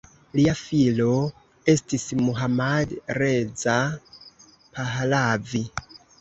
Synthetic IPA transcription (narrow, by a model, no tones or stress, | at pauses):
liafilo̞ | e̞stismuɦamadɾe̞d͡za | paɦlavi